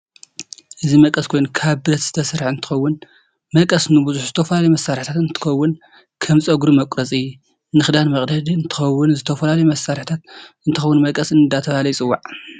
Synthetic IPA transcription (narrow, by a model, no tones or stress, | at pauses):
ʔɨzimɐkʼɐskʰo̞jnukʰaβbɨɾɐt̪zɨ̥t̪ʰɐsɾħɨnt̪ʰɨ̥xɐwːʊn | mɐkʼɐsnɨbuzuħzɨt̪ʰɐfɐlalɐjumɐsːaɾħt̪ʰat̪ɨnt̪ʰɨ̥xɐwːʊn | kʰɐmsʼɐɡuɾumɐkʷʼɾɐt͡sʼɨjːu | nɨxɨd̪anmɐχʼd̪ɐd̪iɨnt̪ʰɨ̥xɐwːʊnzɨt̪ʰɐfɐlalɐjumɐsaɾħt̪ʰat̪ɨnt̪ʰɨxɐwːʊnmɐkʼɐsɨnd̪at̪ʰɐβalɐjt͡sʼɨwːaʕ